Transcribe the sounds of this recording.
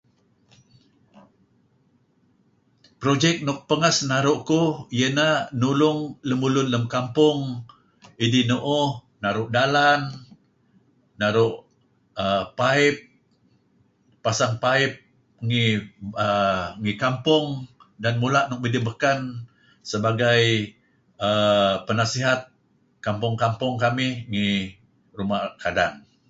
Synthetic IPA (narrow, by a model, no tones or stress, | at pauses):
pɾod͡ʒɛk̚nʊk̚pəŋasnaɾʊʔkuijənanulʊŋləmulʊnləmkampʊŋ | idinuʔʊ | naɾʊʔdalan | aɾʊʔ | əpaɪp̚ | asaŋpaɪp̚ | ŋiəŋikampʊŋdanmulaʔnʊʔmidəbəkan | səbaɡaj | əpənasiɦat̪̚ | kampʊŋkampʊŋkamɪhŋi | ɾumahkadaŋ